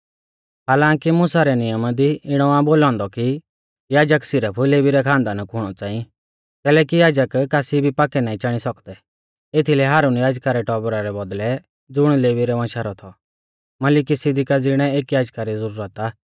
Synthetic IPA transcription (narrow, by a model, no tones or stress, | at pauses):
ɦaːlãːkimʊsaɾɛnɪjəmad̪iɪɽ̃ɔãboːlɔ̃ːnd̪ɔki | jaːd͡ʒəksɪɾəpʰleːʋiɾɛkʰãːnd̪anakʰʊɽ̃ɔt͡sãːĩ | kɛːlɛːkijaːd͡ʒəkːasibʱipaːkɛnaːĩt͡ʃaɽ̃isɔkd̪ɛ | et̪ʰilɛɦaːɾunjaːd͡ʒkaɾɛʈɔːbɾaɾɛbɔd̪lɛ | d͡zʊɽ̃leːʋiɾɛʋãʃaɾɔt̪ʰɔ | mɐlɪkisɪd̪ɪkad͡zɪɽ̃ɛeːkjaːd͡ʒkaɾizəɾuːɾət̪a